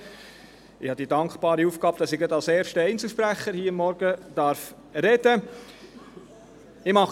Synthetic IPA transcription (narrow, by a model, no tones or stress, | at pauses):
ɪhɑd̪idɑŋkχb̥ɑːɾiufɡɑːbəd̥ɑsɪɡɾɑd̪ɑlsɛːɾʃtəɛɪnt͡sl̩ˠʃpɾæχːəɾhiːəmːɔɾɡ̥əd̪̥ɑɾf | ɾɛd̥ə | ɪmɑ